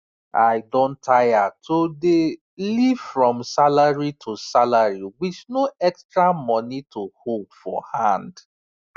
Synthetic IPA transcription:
aɪdõntʰajatʰode | livfɹɔ̃msalaɹitʰosalaɹiwit͡ʃnoɛkstɹamɔ̃nitʰohodfɔ̰hãnd

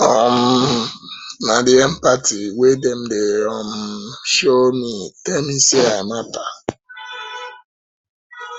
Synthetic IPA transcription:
ɔm̩ | nadɪɛm̩patiwedem̩deɔm̩ʃomitemiseamata

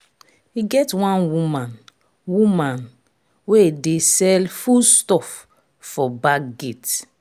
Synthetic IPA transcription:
hiɡɛtwãnwumãn | wumãn | wedesɛlfulstɔf | fɔbaɡet

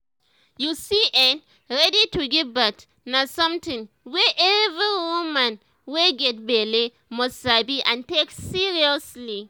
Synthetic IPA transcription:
jusiʔɛn | ɹɛdituɡibak | nasɔ̃mtĩŋ | wɛʔɛviwumãn | weɡɛt̚bɛli | mɔstsabiʔãnteksiɹiɔsli

